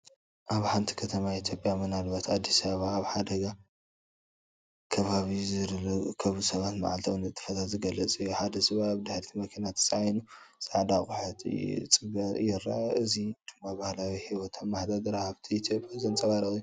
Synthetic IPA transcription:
ʔaβħant̪ʰi̥kʰɐt̪ʰɐmait̪ʰjo̞pʼjamɨnalbat̪ad̪ːisɐββaːβħad̪ɐɡa | kʰɐβaβizɨɾlkʰɐβusɐβat̪ma̰ʕalt̪ʰɐwnɨt̪ʼːɨ̥fɐt̪ʰat̪zɨɡɐlɐt͡sʼijuħad̪ɐsʼɨβaaβd̪aħɾt̪ʰimɐkʰinat̪ʰɨ̥sʼajnusʼaʕd̪akʼʊħɨt̪ʰʼt͡sʼɨβɐjɪɾa̰ɨzid̪̥umːabahlawihiwɔt̪ʰɐnmaħd̪ad̪ɨɾahaβt̪ʰiit̪ʰjopʼjazɐnt͡sʼɐβaɾɐxʼiju

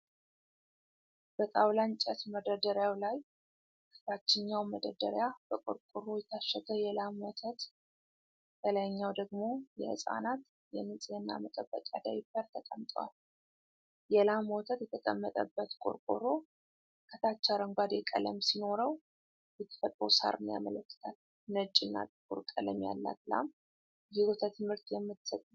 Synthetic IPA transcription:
b̥ək̪ʼawlant͡ʃʼɛt̪məd̪əd̪əɾjawlaj | kʰə̥t̪ʰat͡ʃːɪɲːawməd̪əd̪əɾjab̥əkʼo̰ɾkʼuɾo̞jɛt̪ʰaʃːɛd̪əjɛlamwot̪ʰət̪ | t̪ʰələjɲːawd̪əɡmo̞jɛhɨ̰sʼa̰nat̪ | jɛmɨsʼeɨnːa̰mət̪ʼəbːəkʼa̰d̪ajbəɾt̪ʰəkʼəmt̪ʼwa̰l | jɛlamwɔt̪ʰət̪jɛt̪ʰəkʼəmːət̪ʼəbːət̪kʼo̰ɾkʼoɾo | kʰət̪ʰat͡ʃːaɾəŋɡʷad̪jɛkʼə̰ləmsino̞ɾəw | jɛt̪ʰə̥fət̪ʼɾə̰wsa̰ɾʔɨnija̰mələkːɨ̥t̪ʰal | nət͡ʃʼːɨnːa̰t̪ʼɨɡṵɾkʼələmja̰lːa̰t̪la̰m | jizot̪ʰət̪ʰɨmhɨɾt̪jɛmːɨt̪sət̪ʼ

